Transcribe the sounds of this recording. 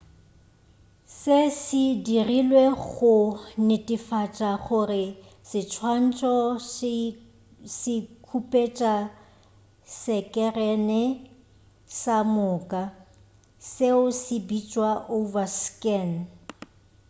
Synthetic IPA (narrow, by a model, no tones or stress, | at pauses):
sɪsɪdirilweɣʊnɪtʼɪfat͡ʃʼaχʊrɪ | sɪt͡ʃʰwan̩t͡ʃʼɔ | sɪkʰupʼet͡ʃʼa | sɛkʼɛrɛnɛ | samʊːkʼa | seʊsɪbit͡ʃʼwaʔovaskʼɛn